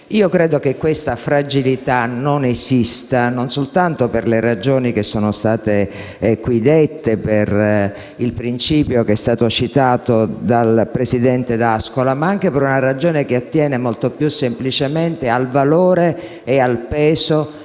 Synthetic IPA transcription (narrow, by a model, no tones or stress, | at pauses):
iːokɾeːd̪ok̟ekːwest̪afɾad͡ʒilit̪anonezist̪anonsolt̪ant̪operlerad͡ʒoːnikesːoːnost̪aːt̪e | kwid̪et̪ːeper | ilpɾint͡ʃiːpjokeɛst̪aːt̪ot͡ʃit̪aːt̪od̪alpɾesid̪ɛnt̪ed̪askolamaaŋk̟epeɾunarad͡ʒoːnek̟eat̪ːjɛːnemolt̪opjusːemplit͡ʃement̪ealvaloːɾeː | alpɛːzo